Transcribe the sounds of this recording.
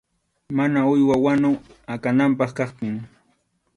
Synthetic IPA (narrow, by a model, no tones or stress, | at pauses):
manaʊjwawanʊakanampɑχkɑχpɪŋ